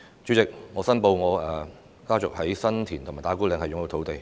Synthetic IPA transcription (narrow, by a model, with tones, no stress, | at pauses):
t͡ʃy˨˧˥t͡sɪ˨k̚ŋɔː˨˧sɐ˥npo˧wŋɔː˨˧ɛ˨ | kaː˥t͡sʊ˨k̚hɐ˨˥jsɐ˥nt̪ʰiː˨˩nʰʊ˨˩maː˨˩jt̪aː˨˥ku˥lɪ˨˧ŋhɐ˨jʊ˨ŋjɐ˧t̪ʰwt̪e˨j